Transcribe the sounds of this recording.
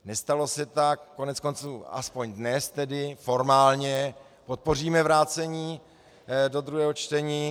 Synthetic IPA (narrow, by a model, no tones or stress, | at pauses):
nɛst̪alo̞sɛt̪akːo̞nɛt͡sko̞nt͡suːa̰spo̞ɲdnɛst̪ɛdɪfo̞ɾmaːlɲɛ | po̞t̪̚po̞riːmɛvɾaːt͡sɛɲiː | do̞d̪ɾuɦɛːɦot͡ʃt̪ɛɲiː